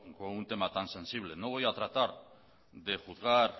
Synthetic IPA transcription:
kount̪e̞mat̪anse̞nsiβ̞le̞noβ̞ojat̪ɾat̪aɾ | de̞xuðɣaɾ

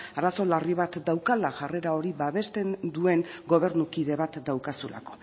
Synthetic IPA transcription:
aɾaso̞lariβ̞at̪d̪awkalaʝare̞ɾao̞ɾiβaβe̞st̪e̞nd̪ue̞ŋɡo̞βe̞ɾnukiðe̞βat̪d̪awkasula̰ko̞̥

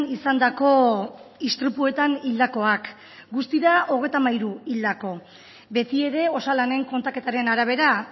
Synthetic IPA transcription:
nisand̪ako̞ist̪ɾipue̞t̪anild̪ako̞ak | ɡust̪iðao̞ɣ̞e̞jt̪amajɾuild̪ako̞ | be̞t̪ie̞ɾe̞o̞salane̞ŋko̞nt̪ake̞t̪aɾe̞naɾaβ̞e̞ɾa

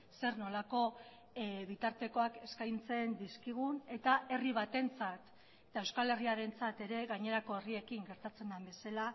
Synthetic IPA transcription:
se̞ɾno̞lako̞ | βit̪aɾt̪e̞ko̞ake̞skajnt͡se̞nd̪iskiɣ̞une̞t̪ae̞riβ̞at̪e̞nt͡sat̪ | et̪ae̞wskale̞riaɾe̞nt͡sat̪e̞ɾe̞ɣaɲe̞ɾako̞erie̞kiŋɡe̞ɾt̪at͡se̞nd̪ambe̞sala

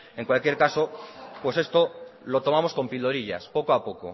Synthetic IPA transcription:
eŋkwalkje̞ɾkasopwe̞se̞st̪olo̞t̪o̞mãmosko̞mpiloɾiʎa̰spo̞koapoko̰

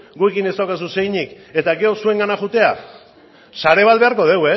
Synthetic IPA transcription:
ɡue̞kine̞st̪awkas̬use̞jɲik | e̞t̪aɡe̞o̞sue̞ŋɡanaxut̪e̞a | saɾe̞β̞alβe̞aɾko̞ð̞e̞we

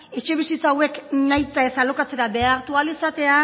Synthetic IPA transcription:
e̞t͡ʃe̞β̞isit͡sawe̞knajt̪ae̞salo̞kat͡se̞ɾabe̞aɾt̪ualisat̪e̞a

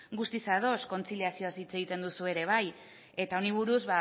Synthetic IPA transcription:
ɡust̪isaðo̞sko̞nt͡siliasio̞asit͡se̞ɣ̞it̪e̞nd̪usue̞ɾe̞β̞aj | e̞t̪ao̞niβ̞uɾuzβa

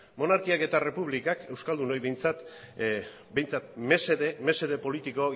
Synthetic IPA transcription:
mo̞naɾkiake̞t̪are̞puβlikake̞wskald̪uno̞jβe̞jnt͡sat̪ | be̞jnt͡sat̪meseðeme̞se̞ð̞e̞po̞lit̪iko̞

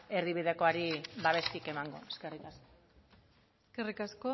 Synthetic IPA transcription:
e̞ɾðiβ̞iðe̞ko̞aɾiβaβe̞st̪ike̞maŋɡo̞̰eske̞rikasko | eskerikasko

